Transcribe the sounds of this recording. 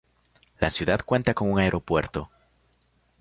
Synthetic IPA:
lasjuðað̥kwe̞nt̪ako̞ŋuŋaeɾʔo̞pwe̞ɾt̪o̞

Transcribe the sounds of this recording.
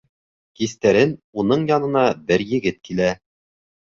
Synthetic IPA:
kist̪æɾɘnunɤɴjɑnɤ̆nɑbɘɾjɘ̆ɡɘt̪̚kilæ

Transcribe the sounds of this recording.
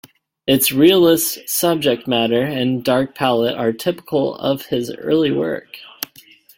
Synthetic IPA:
ɨtsɹilˠɪssʌb̚d͡ʒɨk̚t̚mæɾə˞ɨ̃ndɑɹk̚pʰælˠəɾə˞tʰɪpə̥kʰl̩ˠʌ̰v̥ɪzɜ̰˞lˠiwɜ̰˞k

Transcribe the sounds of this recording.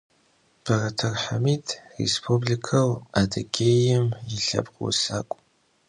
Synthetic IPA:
b̥ɐrɐtʰɐrħamitʰʼrḛspʰubɮikʰɐwadɐɡʲʰejɪmjɪɬɐ̰bqw̰saːkʷʼ

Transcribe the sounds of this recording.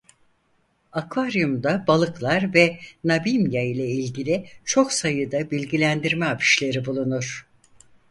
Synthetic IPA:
akvaɾijumd̪abalˠɯklˠaɾvɛnabimjajlʲɛilʲɟilʲit͡ʃʰo̞ksajɯd̪abilʲɟilʲænd̪iɾmɛapʰi̥ʃlʲe̞ɾibulˠunuɾ̥

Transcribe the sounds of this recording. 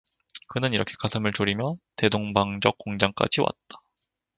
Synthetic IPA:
kɯnɯniɾʌkʰe̞̥kasʰɯmɯɭt͡ɕoɾimjʌte̞doŋbaŋd͡ʑʌk̚k͈ːoŋd͡ʑaŋk͈a̰d͡ʑiwʔa̰t̚t͈ḁ

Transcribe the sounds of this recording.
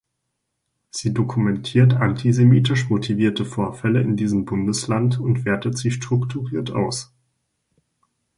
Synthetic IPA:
z̥iːdokʰumɛntʰiːɐtantʰizemiːtɪʃmotʰiviːɐtəfoːɐfɛləɪndiːzəmbʊndəslantʊntv̥eːɐtətz̥iʃtʁ̥ʊktʰuʁiːɐta̰ʊs

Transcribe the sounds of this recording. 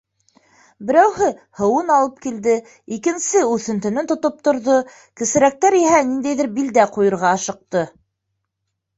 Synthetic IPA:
bɘ̆ɾæwhɘhɤ̆wɤnɑlˠɤp̚kild̪ɘ | ikɘ̆nsɘʉθɘ̆nt̪ɘ̆nɘnt̪ŏt̪op̚t̪ŏɾðo | kɘ̆sɘ̆ɾæk̚t̪æɾiɦænind̪æjðɘɾbild̪æqujɤ̆ɾʁɑɑʃɤ̆q̚t̪ɤ

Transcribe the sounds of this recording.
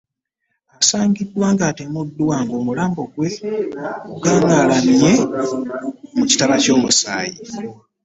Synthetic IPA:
asaːɲɟidːwaːŋɡatemudːuwaːŋɡo̞ːmulaːmbo̞ɡwe̞ | uɡaːŋaːlamje̞ | muci̥taβaco̞ːmusaːji

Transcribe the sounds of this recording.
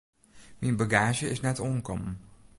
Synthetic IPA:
minbaɡaːʒəɪsnɛtɔŋkɔ̰m

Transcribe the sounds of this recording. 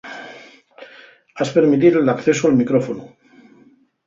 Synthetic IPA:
aspeɾmit̪̬iɾelakθe̞soalmikɾofonu

